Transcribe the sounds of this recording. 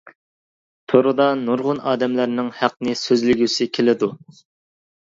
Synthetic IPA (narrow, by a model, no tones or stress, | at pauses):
t̪ʰoɾɨd̪ɑnuɾʁʊnɑːd̪ɛmlæɾnɪŋhæq̚nɪsøzlɪɡʲysɪkʲʰelɪd̪u